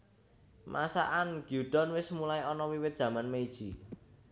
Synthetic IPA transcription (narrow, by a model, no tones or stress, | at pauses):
mʔa̰sa̰ʔanɡ̥jud̪̥ɔnwɪsmulaiɔnɔwiwɪt̪̚dʒ̥ä̤manmeid̥ʒ̥i